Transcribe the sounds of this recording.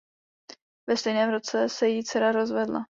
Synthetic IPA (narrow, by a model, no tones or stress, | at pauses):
vɛst̪ɛjnɛːmɾot͡sɛsɛjit͡sɛɾaɾo̞zvɛdla̰